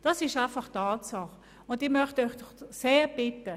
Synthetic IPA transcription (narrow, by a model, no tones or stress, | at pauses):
d̥ɑsɪʃaɪfɑχtɑːtsɑχ | ʊndɪmœχtɔʏχd̥ɔχseːb̥ɪtə